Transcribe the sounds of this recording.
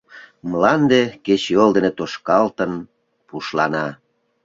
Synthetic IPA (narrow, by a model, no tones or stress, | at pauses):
mlɑnd̪eket͡ɕeold̪enet̪oʃkɑlt̪ən | puʃlɑnɑ